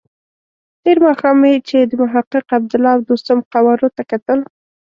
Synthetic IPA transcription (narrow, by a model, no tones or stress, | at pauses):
ʈeɾmɑxɑmet͡ʃed̪əmʊɦaqːəqab̚d̪ʊlɑwd̪ost̪amqawɑɾot̪akat̪əl